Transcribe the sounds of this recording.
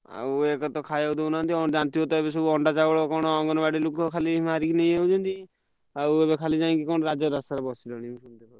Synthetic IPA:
a̰ekɔt̪ɔkʰajaud̪ownant̪iɔnd͡ʒant̪iot̪ɔebes̬ɔbuɔɳɖat͡ʃaɡɔɭɔkɔɽ̃ɔɔŋɡɔnɔbaɽilukːɔkʰalimaɾikinej̃ewd͡ʒʰɔnt̪i | aebekʰalid͡ʒaĩkikɔñɾad͡ʒɔɾasaɾɔbɔsilɔnimʃunt̪ekɔ

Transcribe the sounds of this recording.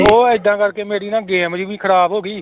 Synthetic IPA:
oːɪd̪ːãːkəɾkeːmeːɽiːnãːɡeːmd͡ʒiʋĩːkʰəɾaːbɦoːɡiː

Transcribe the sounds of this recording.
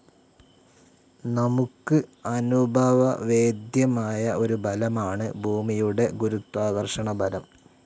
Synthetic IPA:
nɐmukːɨɐnubʱaːʋɐʋe̞ːd̪jɐmaːjɐʔo̞ɾubʱɐlɐmaːɳɨbʱuːmijuɽe̞ɡuɾut̪ːwaːɡɐrʂɐɳɐbʱɐlɐm

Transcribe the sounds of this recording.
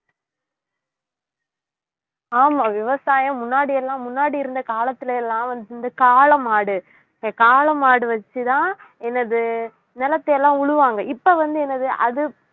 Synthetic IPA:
aːmaːʋɪʋɐsaːjɐ̃mːʊnːaːɽɪjɛlːãːmʊnːaːɽiɪɾɯnd̪ɐkaːlɐt̪ːɪlɐɛlːãːʋɐnd̪ɯɯnd̪ɐkaːɭɐmaːɽɯ | kaːlɐmaːɽɯʋɐt͡ʃːɯt̪ãː | ɛnːɐðɯ | nɛlɐt̪ːɐjɛlːãːʊɻɯʋaːŋɡɐɪpːɐʋɐnd̪ɯɛnːɐðɯʔɐðɯ

